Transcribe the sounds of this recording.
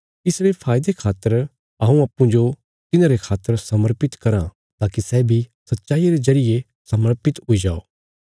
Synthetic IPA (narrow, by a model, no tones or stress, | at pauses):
ɪsɽepʰaːjɪd̪ekʰaːt̪ːəɾ | aũaːpːũd͡ʒo | t̪ɪnãːɾekʰaːt̪ːəɾsɐməɾpɪt̪kɐɾã | t̪aːkisɛːbʱisɐt̪ːʃaːijaɾezɐɾɪje | sɐməɾpɪt̪ɦʊid͡ʒa̰ːo̰ː